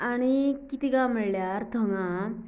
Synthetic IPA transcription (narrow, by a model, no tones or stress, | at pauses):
aɽ̃ikit̪iɡãməɭljaɾt̪ʰəŋɡã